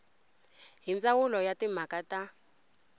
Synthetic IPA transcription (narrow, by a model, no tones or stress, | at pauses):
ɦint͡sʼawulɔjatim̤akata